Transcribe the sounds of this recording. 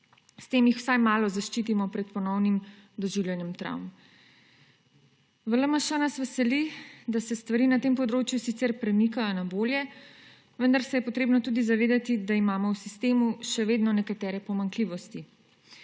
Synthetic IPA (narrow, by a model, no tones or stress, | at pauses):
st̪eːmjixw̥sajmaːlɔzaʃt͡ʃiːt̪imɔpɾɛt̪̚pɔnɔwnimd̪ɔʒiwljɛnjɛmt̪ɾa̰wm | ʋələmaʃɛnasʋɛsɛlid̪asɛst̪ʋaɾiːnat̪eːmpɔd̪ɾoːt͡ʃjusit̪sɛɾpɾɛmikajɔnaboːljɛ | ʋənd̪aɾsɛjɛpɔt̪ɾeːbnɔt̪uːd̪izaʋeːd̪at̪id̪aimaːmɔwsist̪eːmuʃɛʋeːd̪nɔnɛkat̪ɛːɾɛpɔmaŋkliʋɔst̪i